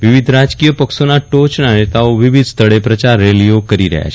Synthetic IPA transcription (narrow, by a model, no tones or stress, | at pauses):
ʋɪʋid̪ʱɾad͡ʒkijəpəksonaʈot͡ʃnanet̪aoʋɪʋid̪ʱst̪ʰəɭepɾət͡ʃaɾːeliokəɾiɾə̰ɦja̰t͡ʃʰ